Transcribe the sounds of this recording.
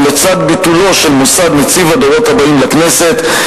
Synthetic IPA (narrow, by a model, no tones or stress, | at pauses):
met͡sad̪bit̪ulo̞ʃelmusad̪net͡sivad̪oʁo̞t̪habaimlaknese̞t̪